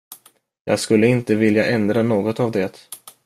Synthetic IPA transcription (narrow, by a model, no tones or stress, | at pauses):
jɑ̰ːɡskɵlːəɪnt̪əvɪljaʔɛnd̪ɾanoːɡɔt̪avd̪ɛt̪